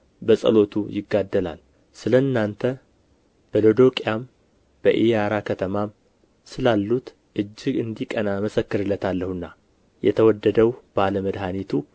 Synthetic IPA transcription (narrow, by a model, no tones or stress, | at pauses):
bəsʼə̰lo̞t̪ʰujɪɡːad̪ːəla̰l | sɨləɨnːant̪ʰə | b̥əlod̪o̞kʼjam | b̥əʔijaɾakʰət̪ʰəmam | sɨlalːut̪ | ʔɨd͡ʒːɪɡɨnd̪ikʼənaməsəkːɨɾɨlːət̪ʰalːəhɨnːa | jɛ̰t̪ʰəwɔd̪ːəd̪əwbəaləməd̪ɦanit̪ʰu